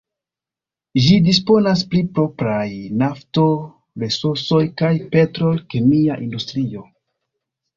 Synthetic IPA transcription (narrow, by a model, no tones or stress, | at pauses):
ʒidis̬po̞nasplipɾo̞pɾajnafto̞ | vesuso̞jkajpe̞tɾo̞lkemiaʔindustɾio̞